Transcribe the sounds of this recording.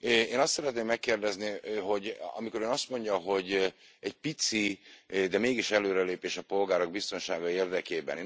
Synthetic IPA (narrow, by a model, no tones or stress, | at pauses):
eːnɒst̪sɛɾɛt̪neːmːɛkːeːrd̪ɛzniɦo̞ɟɒ̰miko̞ɾøːnɒst̪mo̞ɲɟɒɦo̞ɟɛc̚pit̪sid̪ɛmeːɡiʃɛløːɾɛleːpeːʃɒpo̞lɡaːɾoɡ̚bist̪o̞nʃaːɡɒeːrd̪ɛkeːbɛ̰nː